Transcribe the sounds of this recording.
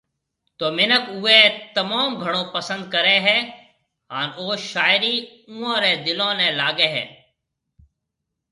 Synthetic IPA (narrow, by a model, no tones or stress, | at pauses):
t̪oːmɪnəkuːeːt̪əmaːmɡʱəɽ̃õːpəsə̃nd̪̚kəɾeːɦɛː | ɦaːnoːʃaːɪɾiː | ũːãːɾeːd̪ɪlõːnɛ̃ːlaːɡeːɦɛ̰ː